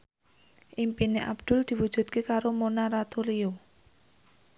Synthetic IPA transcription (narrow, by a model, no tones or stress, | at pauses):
ʔimpineʔa̰b̥d̪̥ʊ̤ld̪̥i̤wud̥ʒ̥ṳd̪̥̚kekaɾomonaɾat̪olio